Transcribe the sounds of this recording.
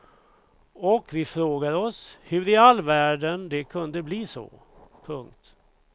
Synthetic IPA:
ɔkvɪfɾoːɡad̪ɔshɵɾɪalːvæːɖənd̪ɛkʰɵnd̪əbliːsɔ̰ | pʰɵŋk̚t̪

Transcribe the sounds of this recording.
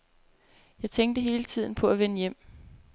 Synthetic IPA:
jɑ̈ɪt͡sʰeŋd̥əɦe̝ːlət͡sʰið̞̰ˠn̩pʰɒ̽æʋenəjem̰

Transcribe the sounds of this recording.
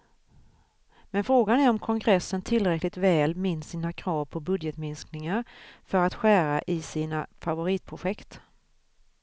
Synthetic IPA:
mɛnfɾoːɡanæɾɔmkʰɔŋɡɾɛsːənt̪ʰɪlɾɛklɪɡ̚t̪vɛːlmɪnːsiːnakʰɾɑːvpʰɔbɵd̪jɛt̪mɪnsknɪŋaɾfœɾat̪ɧæːɾaʔɪsiːnafavʊɾiːt̪̚pʰɾʊɧɛkt̪

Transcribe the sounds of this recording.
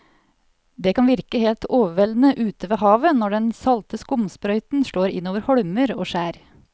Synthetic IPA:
d̪ɛːkʰɑnʋɪɾkəheːlt̪oːʋəʋɛln̩əʔʉːt̪əʋeːhɑːʋənɔɖɛnsɑlt̪əskʊmspɾœʏt̪n̩ʃloːɾɪ̰nːoːʋəɾhɔɽməɾo̰ːʃæːɾ

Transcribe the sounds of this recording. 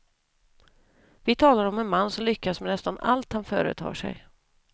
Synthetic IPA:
vɪt̪ʰɑːlaɾɔmɛnmanːsɔmlʏkːasmɛnɛst̪ana̰lt̪hanfœ̰ːɾə̰t̪ʰɑ̰ːʂɛ̰j

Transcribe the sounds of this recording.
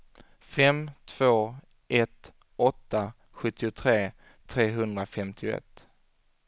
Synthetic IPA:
fɛmt̪ʰv̥oː | ʔɛt̪ | ɔt̪ːa | ɧɵt̪ːɪʊt̪ʰɾeː | t̪ʰɾeːɦɵnd̪ɾafɛmt̪ʰɪʊɛ̰t̪ː

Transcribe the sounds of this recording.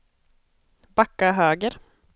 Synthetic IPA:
bakːaɦøːɡəɾ

